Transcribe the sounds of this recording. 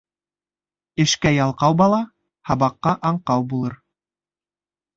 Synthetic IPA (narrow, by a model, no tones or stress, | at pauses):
ɘ̆ʃkæjɑlˠqɑwbɑlˠɑ | hɑβɑqːɑʔɑɴqɑwbulˠɤɾ